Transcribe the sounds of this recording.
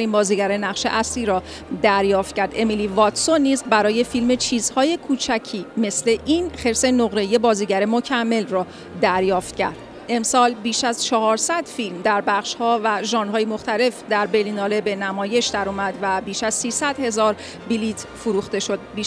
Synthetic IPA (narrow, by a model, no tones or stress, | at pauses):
ɾiːnbɒːziːɟæɾenæʁʃe̞̰ʔæsliːɾɒː | d̪æɾjɒːft̪̚cʰæɾd̪e̞milivɒt̪sonːiːzbæɾɒːje̞filme̞t͡ʃʰiːz̥hɒːje̞kʰuːt͡ʃʰæcʰiːme̞sleʔinχe̞ɾse̞noɣɾe̞ije̞bɒːziːɟæɾemocʰæmːe̞lrɒː | d̪æɾjɒːft̪̚cʰæ̰ɾd̪̥ | e̞msɒːlbiːʃæzt͡ʃʰɒhɒːɾsæd̪̥filmd̪æɾbæχʃhɒːvæʒɒːnɦɒːjemo̞xt̪æle̞fd̪æɾbelinɒːle̞be̞næmɒːje̞ʃd̪æɾuːmæd̪væbiːʃæzsiːsæd̪̥he̞zɒːɾ | biliːt̪ʰfuɾuːxt̪e̞ʃo̞d̪̚biː